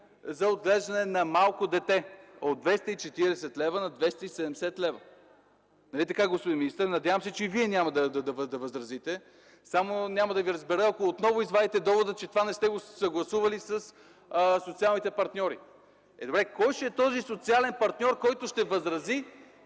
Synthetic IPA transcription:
zɐod̪̚ɡlɛʒd̪ɐnɛnɐmalˠkod̪ɛt̪ɛod̪vɛst̪əit͡ʃɛt̪iɾɛsɛt̪lɛvənɐd̪vɛst̪əisɛd̪ɛmsɛt̪lɛvə | nɐlit̪ɐkaɡospʊd̪inminist̪əɾnɐd̪ʲjavəmsɛt͡ʃɛiviɛnʲaməd̪ɐd̪ɐd̪ɐvəd̪ɐvəzɾɐzit̪ɛ | samonʲamɐd̪ɐviɾəzbɛɾəɐkoːt̪nɔvʊizvad̪it̪ɛd̪ɔvod̪ət͡ʃɛt̪ovanɛst̪ɛɡosɐɡlˠɐsuvɐlisəs | sot̪sialˠnit̪ɛpɐɾt̪nʲɔɾi | ɛd̪obɾɛkɔjʃɛɛt̪ɔzisot̪sialɛnpɐɾt̪nʲɔɾkɔjt̪ʊʃt̪ɛvəzɾɐzi

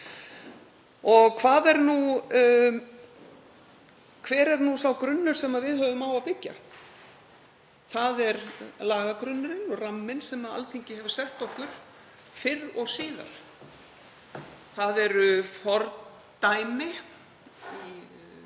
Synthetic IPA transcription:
ɔɣkʰvaːðɛɾnu | kʰvɛːɾɛɾnusawkɾʏnːʏɾ̥sɛmaðvɪðhœːvʏmaːwaðpɪcːa̰ | θaðɛɾlaːɣakɾʏnːʏɾɪnɔramːɪnsɛmaða̰lθiɲcɪhɛvʏɾ̥sɛht̪ɔhkʏɾ̥ | fɪɾɔɣsiːða̰ɾ̥ | θaðɛɾʏfɔɾt̪ | t̪ajmɪ | i

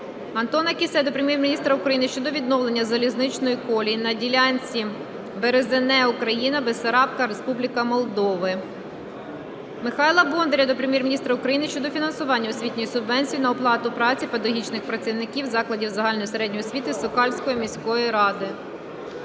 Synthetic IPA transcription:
ɐnt̪ɔnɐkʲisɛd̪ɔpɾemʲjɛrmʲinʲist̪ɾɐʊkɾɐjinɪʃt͡ʃɔd̪ɔʋʲid̪nɔlˠe̞nʲːɐzɐlʲiznɪt͡ʃnɔjikɔlʲinɐdʲilʲanʲt͡sʲi | beɾezenɛukɾɐjinɐbesɐɾɑpkɐɾe̞spublʲikɐmɔlˠd̪ɔʋɪ | mɪxɑjlˠɐbɔnd̪eɾʲɐd̪ɔpɾemʲjɛrmʲinʲist̪ɾɐʊkɾɐjinɪʃt͡ʃɔd̪ɔfʲinɐnsʊʋɑnʲːɐʊsʲʋʲitʲnʲijisʊbʋɛnʲsʲijinɐɔplˠɑt̪ʊpɾɑt͡sʲipɐd̪ɐɦʲit͡ʃnɪxpɾɐt͡sʲiwnɪkʲiwzɑklˠɐdʲiwzɐɦɑlʲnɔjiseɾɛdʲnɔjɔsʲʋʲit̪ɪsɔkɑlʲsʲkɔjimʲisʲkɔjiɾɑd̪ɪ

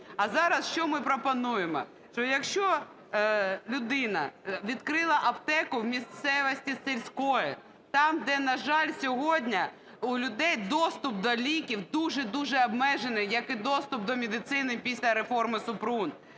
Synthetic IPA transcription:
ɐzɑɾɐsʃt͡ʃɔmɪpɾɔpɔnujemɔ̰ | ʃt͡ʃɔjɐkʃt͡ʃɔ | lʲʊd̪ɪnɐ̰ʋʲid̪kɾɪlˠɐʔɐbt̪ɛkʊwmʲist̪sɛʋɔsʲtʲiselʲsʲkɔjɛ | t̪ɑmd̪ɛnɐʒɑlʲsʲɔɦɔdʲnʲɐ | ulʲʊd̪ɛjd̪ɔst̪ʊp̚d̪ɔlʲikʲiwd̪uʒɛd̪uʒɛɐbmɛʒenɪjjɐkɪd̪ɔst̪ʊp̚d̪ɔmʲed̪ɪt̪sɪnɪpʲisʲlʲɐɾefɔrmɪsʊpɾun

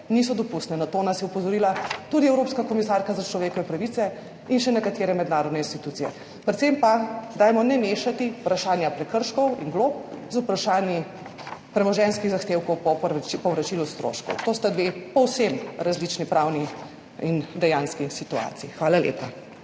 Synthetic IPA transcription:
nisɔd̪ɔpust̪nɛnat̪oːnasjɛupɔzɔɾilat̪ud̪iɛwɾoːpskakɔmisaɾkazat͡ʃlɔʋeːkɔʋɛpɾɐʋit̪sɛ | inʃɛnɛkat̪eːɾɛmɛd̪naːɾɔd̪nɛinst̪it̪ut̪sijɛ̰ | pɾɛt̪sempad̪aːjmɔnɛmeːʃat̪iupɾaʃaːnjapɾɛkəɾʃkɔwḭŋɡloːp̚zupɾaʃaːnji | pɾɛmɔʒɛnskiɣzaxt̪eːwkɔwpɔpipɔwʋɾat͡ʃilust̪ɾo̰ʃkɔ̰wt̪ost̪ad̪ʋepɔwsemɾazlit͡ʃnipɾawni | ind̪ɛjanskisit̪ua̰ːt̪iixʋaːlaljḛpa

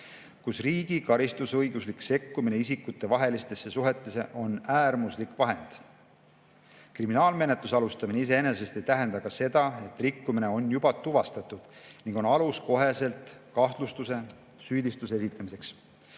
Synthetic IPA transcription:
kusriːɡikɑɾist̪usɤjɡuslikse̞kːumine̞isikːˑut̪ːˑe̞vɑɦe̞list̪e̞sːe̞suɦe̞t̪ˑːe̞se̞ʔo̞næːrmuslikˑvɑɦe̞nd̪̥ | kriminɑːlme̞net̪ˑlusɑlust̪ɑmineis̬e̞ene̞s̬e̞st̪e̞jt̪æɦe̞nd̪ɑkɑse̞d̪ɑe̞t̪ːrikːumine̞o̞njubɑt̪uvɑst̪ɑt̪ːˑud̪̥niŋɡ̥o̞nɑlusko̞ɦe̞se̞lt̪kɑht̪lust̪use̞ | syːd̪ist̪usee̞sit̪ːˑɑmise̞ks

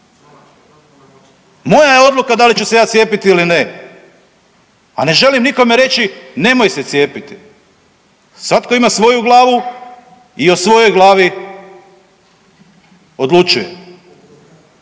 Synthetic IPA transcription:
mo̞jajeo̞d̪lukad̪alit͡ʃuse̞jaːt̪je̞ːpit̪iiline̞ | ane̞ʒe̞limniko̞me̞ɾe̞t͡ʃine̞mo̞jse̞t̪sje̞ːpit̪i | sʋat̪ko̞imasʋo̞juɡlˠaːʋu | iosʋo̞jo̞jɡlˠaːʋi | o̞d̪lut͡ʃuje

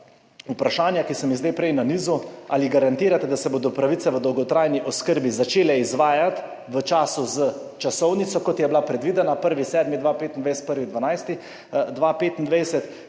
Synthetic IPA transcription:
upɾaʃaːnjakisɔmizd̪ejpɾɛjnaniːzuaːliɡaɾant̪iːɾat̪ɛd̪asɛboːd̪ɔpɾaʋit̪sɛʋəd̪ɔwɡɔt̪ɾaːjniʔɔskəɾbizat͡ʃeːlɛizʋaːjat̪ | ʋət͡ʃaːsuzət͡ʃasɔwnitsɔkɔt̪jɛblapɾɛd̪ʋid̪ɛnapəɾʋisɛːd̪mid̪ʋapeːt̪ind̪ʋajsɛt̪̚pəɾʋid̪ʋanajst̪i | d̪ʋapeːt̪ind̪ʋajsɛt̪

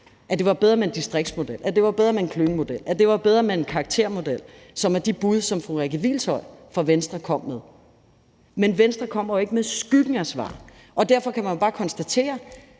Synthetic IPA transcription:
ʔæd̥e̝ʋɑ̈b̥eð̞ˠɐmeend̥isd̥ʁeɡ̥̚d̥smo̝d̥el̰æd̥e̝ʋɑ̈b̥eð̞ˠɐmeenkʰløːŋ̩əmo̝d̥el̰æd̥e̝ʋɑ̈b̥eð̞ˠʁɐmeenkʰɑ̈ːɡ̥̚t͡sʰe̝ɐ̰mo̝d̥el̰ | sɒ̽mæɐd̥ib̥uð̞ˠsɒ̽mfʁoʁɛɡ̥əʋḭːlt͡sʰɒ̽ɪ̰fɒ̽ʋensd̥ʁɐkʰɒ̽m̰með̞ˠ | menʋensd̥ʁɐkʰɒ̽m̰ɐjoe̝ɡ̥əmeðˠsɡ̥yɡ̥ŋ̩æsʋɑ̰̈ː | ʔɒ̽d̥æɐfɒ̽kʰæmænjobɑ̈ːkʰɒ̽nsd̥æt͡sʰe̝̰ːɐ

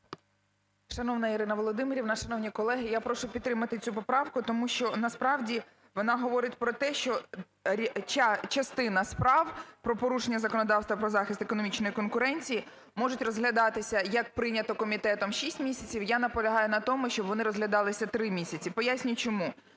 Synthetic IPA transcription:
ʃɐnɔʋnɐiɾɪnɐʋɔlˠɔd̪ɪmɪɾʲiwnɑʃɐnɔwnʲikɔlˠɛɦɪjapɾɔʂʊpʲt̪t̪ːɾɪmɐt̪ɪt͡sʲupɔpɾɑwkʊt̪ɔmuʃt͡ʃɔnɐspɾɑwdʲi | ʋɔnɑɦɔʋɔɾɪtʲpɾɔt̪ɛʃt͡ʃɔ | t͡ʃat͡ʃɐst̪ɪnɐspɾɑwpɾɔpɔɾuʃenʲːɐzɐkɔnɔd̪ɑwst̪ʋɐpɾɔzɑxʲɪst̪ekɔnɔmʲit͡ʃnɔjikɔnkʊɾɛnʲt͡sʲiji | mɔʐʊtʲrɔzɦlʲɐd̪ɑt̪ɪsʲɐjɐk̚pɾɪnʲɐt̪ɔkɔmʲit̪ɛt̪ɔmʃisʲtʲmʲisʲɐt͡sʲiwjanɐpɔlʲɐɦɑjʊnɐt̪ɔmʊʃt͡ʃɔbʋɔnɪɾɔzɦlʲɐd̪ɑlˠɪsʲɐt̪ɾɪmʲisʲɐt͡sʲipɔjasʲnʲʊjt͡ʃɔmu

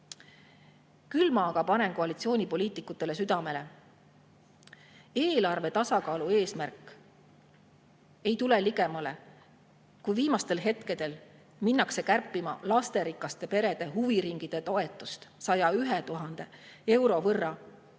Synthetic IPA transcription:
kylmɑɡ̥ɑpɑne̞nko̞ɑlit̪sio̞ːnʲipo̞liːt̪ˑikːˑut̪ːˑe̞le̞syd̪̥ɑme̞le̞ | e̞ːlɑrve̞t̪ɑsɑkɑːlue̞ːsmærkːˑ | e̞jt̪ule̞liɡ̥e̞mɑle̞ | kujviːmɑst̪e̞lɦe̞t̪ke̞d̪̥e̞l | minːɑkse̞kærpːˑimɑlɑst̪e̞ɾikːˑɑst̪e̞pe̞ɾe̞d̪̥e̞ɦuviɾiŋɡ̥id̪̥et̪o̞e̞t̪ːˑust̪sɑjɑyɦet̪uɦɑnd̪̥e̞e̞wɾo̞vɤrːɑ

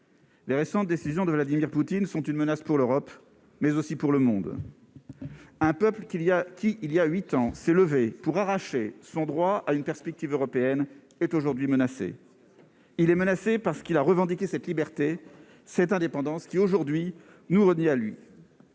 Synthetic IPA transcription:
leʁesɑ̃t̪̚d̪esizjɔ̃d̪əvlad̪imiʁput̪insɔ̃t̪ynmənaspuʁløʁɔp | mɛzosipuʁləmɔ̃d̪ | ɛ̃pœpləakʲiːljaɥit̪ɑ̃sɛləvepuʁaʁaʃesɔ̃d̪ʁwaaynpɛʁspɛk̚t̪ivøʁɔpeɛn | ɛt̪oʒuʁd̪ɥimənasḛ | ilɛmənasepaʁsə̥kilaʁəvɑ̃d̪ikʲesɛt̪libɛʁt̪e | sɛt̪ɛ̃d̪epɑ̃d̪ɑ̃skʲioʒuʁd̪ɥi | nuʁənɛalɥḭ

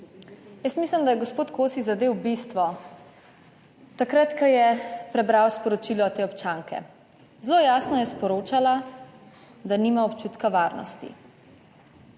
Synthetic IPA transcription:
jəsmisləmd̪ajɛɡɔspoːt̪koːsizad̪ewbist̪ʋɔ | t̪akɾat̪kajɛpɾɛbɾawspɔɾɔt͡ʃilɔːt̪eːɔpt͡ʃaŋkʰɛ̰ | zlojaːsnɔjɛspɔɾoːt͡ʃala | d̪animaɔpt͡ʃuːt̪kaʋaːɾnɔ̰st̪ḭ

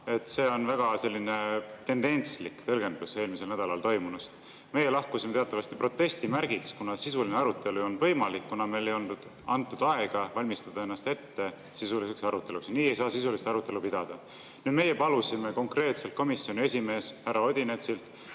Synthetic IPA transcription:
e̞t̪ːˑse̞ːo̞nvæɡ̥ɑse̞lʲːine̞t̪e̞nd̪e̞nʲslikːt̪ɤ̞lɡ̥e̞nd̪use̞ːlmiselnæd̪ɑlɑlt̪o̞jmunust̪ | me̞je̞lɑhkusime̞t̪eɑt̪ˑːɑvɑst̪ipɾo̞t̪ːe̞st̪imæɾɡ̥ikskunɑsisulineɑɾut̪ːˑe̞luo̞nvɤ̞jmɑlikːunɑme̞jle̞jo̞lnd̪ud̪̥ | ɑnt̪ːˑud̪̥ɑe̞ɡ̥ɑvɑlʲmist̪ɑd̪̥ɑenːɑst̪e̞t̪ːe̞ | sisuliseksɑɾut̪ːˑe̞luksniːe̞jsɑːsisuliseɑɾut̪ːˑe̞lupid̪̥ɑd̪̥ɑ | nyːd̪me̞je̞pɑlusime̞ko̞ŋkre̞ːt̪selt̪̚komisːio̞nʲie̞sʲime̞ːshærːɑo̞d̪ʲinet̪silt̪ˑ

